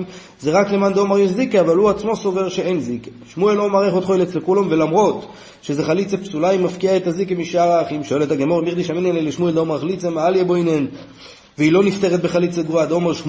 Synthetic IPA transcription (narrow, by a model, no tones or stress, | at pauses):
m | zeʁaklemand̪eomaʁjeʃzikeavaluat͡smo̞so̞ve̞ʁʃeenzikeʃmueloːmaʁeχot̪χoelet͡slekulomvelamʁo̞t̪ | ʃeze̞χalit͡sepsulaimafkiaet̪azikemiʃaʁaχimʃo̞e̞let̪aɡemoʁimiʁd̪iʃamineneleʃmueld̪eomeʁaχlit͡semaaljeboinen | veilo̞nift̪eʁet̪be̞χalit͡seɡuad̪omeʁʃ